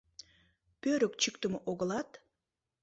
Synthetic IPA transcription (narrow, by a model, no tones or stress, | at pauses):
pøɾəkt͡ɕykt̪əməʔoɣəlɑt̪